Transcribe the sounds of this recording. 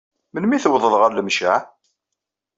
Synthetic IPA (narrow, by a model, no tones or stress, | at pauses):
mənmiθəwðˤəðˤʁəɾləmʃa